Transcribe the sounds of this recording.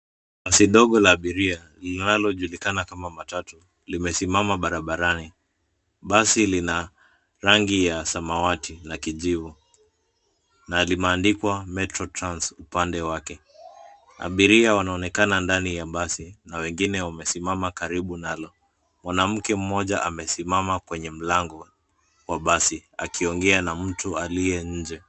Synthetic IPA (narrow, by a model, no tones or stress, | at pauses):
ɓasiɗɔɠɔlaːɓiɾia | linalɔʄulikanakamamatatu | limɛsimamaɓaɾaɓaɾani | ɓasilina | ɾaŋɡijasamawatinakiʄivu | nalimɛːndikwamɛtɾɔtɾansupandɛwakɛ | a̰ɓiɾiawanaɔnɛkanandanijaɓasinawɛŋɡinɛwamɛsimamakaɾiɓunalɔ | mwanam̩kɛm̩mɔʄaʔamɛsimamakwɛɲɛm̩laŋɡɔ | waɓasiakiɔŋɡɛanam̩tualijɛɲ̩d͡ʒɛ